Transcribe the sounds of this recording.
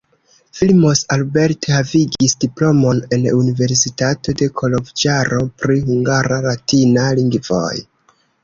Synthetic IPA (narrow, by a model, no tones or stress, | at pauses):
filmo̞salbe̞ɾtehaviɡisdiplo̞mo̞ne̞n̰unive̞ɾsitato̞de̞kʰo̞lovd͡ʒaɾo̞pɾihuŋɡaɾalatinaliŋɡvo̞̰j